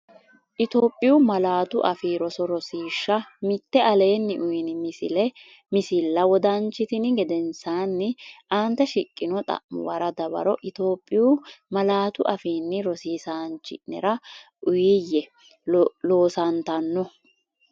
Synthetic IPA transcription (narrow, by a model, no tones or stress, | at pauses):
ʔɪt̪o̞ːpʼːɪjuːmɐlaːt̪ʊʔɐfiːɾɔsɔɾɔsiːʃːɐmɪt̪ːɛʔɐle̞ːnːɪʔʊjɪnɪmɪsɪlɛ | mɪsɪlːɐwɔd̪ɐnt͡ʃːɪt̪ɪnɪɡɛd̪ɛnsaːnːɪʔaːnt̪ːɛʃɪkʼːɪnɔt̪ʼɐ̰ʔmʊ̰wɐɾɐd̪ɐbɐ̰ɾɔʔɪt̪o̞ːpʼːɪjuːmɐlaːt̪ʊʔɐfiːnːɪɾɔsiːsaːnt͡ʃːɪ̰ʔnɛ̰ɾɐʔʊjɪjːɛ | lo̞ːsɐnt̪ɐnːɔ